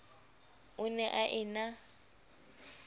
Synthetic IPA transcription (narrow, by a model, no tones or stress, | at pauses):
ʊnɛʔaʔɪna